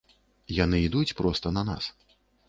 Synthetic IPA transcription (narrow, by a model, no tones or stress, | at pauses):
janɨid̪ut͡sʲpɾɔst̪ɐnɐna̰s